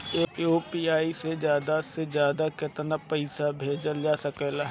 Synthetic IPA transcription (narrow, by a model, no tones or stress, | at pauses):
eːoːpiːaːised͡ʒjaːd̪asezjaːd̪akɪt̪napəɪsabʱeːd͡ʒəld͡ʒaːsəkeːlaɦ